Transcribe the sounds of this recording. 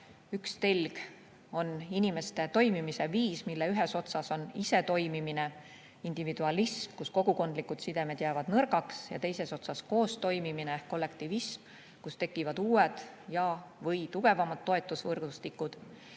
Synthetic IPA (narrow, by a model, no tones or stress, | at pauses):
ykst̪elʲɡ̥ | o̞ninime̞st̪e̞t̪o̞jmimise̞viːsmilːe̞yɦe̞so̞t̪sɑso̞nise̞t̪o̞jmimine̞ | ind̪̥ivid̪uɑlismkusko̞ɡ̥uko̞nd̪̥likːˑud̪sid̪e̞med̪̥jæːvɑd̪̥nɤɾɡɑksjɑ̰t̪e̞jse̞so̞t̪sɑsko̞ːst̪o̞jmimineehkːo̞lːe̞kt̪ivism | kust̪e̞kːˑivɑd̪uːwed̪̥ | jɑvɤjt̪uɡ̥e̞vɑmɑd̪̥ːo̞e̞t̪ːˑusvɤrɡ̥ust̪ikːˑud̪̥